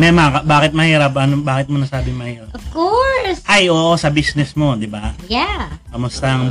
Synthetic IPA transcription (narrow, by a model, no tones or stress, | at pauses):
mɛmakɐbaːkɪt̪̚mɐhiːɾɐp̚ʔɐnobaːkɪt̪̚monɐsaːbɪŋmɐhiːɾaʔɔfkoɾsʔajʔoːʔosɐbisnɛsmo̞d̪ɪbajakɐmʊst̪ɐŋ